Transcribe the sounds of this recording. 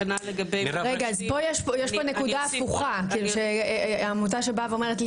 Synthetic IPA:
naleɡɐbeʁeɡaazpo̞jeʃpojeʃponekudaːfuχakiːluʃeamut̬aʃe̞baveome̞ʁetl

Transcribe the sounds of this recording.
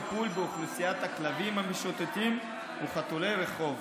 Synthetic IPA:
pulbeoχlusijat̪haklavimamiʃot̪et̪im | uχat̪olejɾe̞χo̞v

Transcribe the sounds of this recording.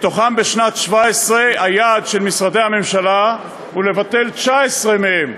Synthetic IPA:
t̪o̞χambe̞ʃnat̪ʃvaesʁeajad̪ʃe̞lmisʁad̪ehame̞mʃala | ule̞vat̪e̞lt͡ʃaesʁemehem

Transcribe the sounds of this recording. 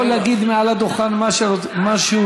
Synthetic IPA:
olaɡid̪mealad̪oχanmaʃo | maʃeu

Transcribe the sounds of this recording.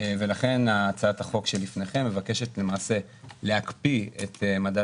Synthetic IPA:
ve̞laχe̞naːt͡saathaχo̞kʃelifneχe̞mːe̞vake̞ʃe̞tle̞maːse̞ | leakpiet̪emada

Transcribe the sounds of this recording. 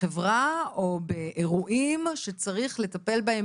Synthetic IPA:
evʁao̞beʔeʁuʔimʃe̞t͡saʁiχle̞t̪ape̞lbahem

